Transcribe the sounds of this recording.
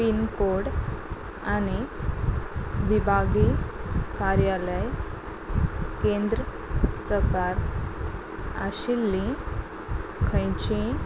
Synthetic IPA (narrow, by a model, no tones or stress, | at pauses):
piːnkoɽ | ani | ʋibʱaɡikaɾjaləj | kẽnd̪ɾə | pɾəkaɾ | a̰ɕilːĩ | kʰə̃jt͡ɕĩ